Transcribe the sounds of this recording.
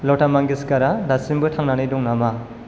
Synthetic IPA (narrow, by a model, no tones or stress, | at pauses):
lɔtamaŋɡiskaɾadasimbɯtʰaŋnanidɔŋnama